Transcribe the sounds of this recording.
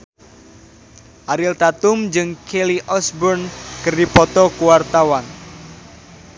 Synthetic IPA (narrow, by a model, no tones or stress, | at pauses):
ʔaɾɪlt̪at̪ʊmd͡ʒɨŋkʰeliʔɔsbɔrnkɨrdipɔt̪ɔkuwart̪awan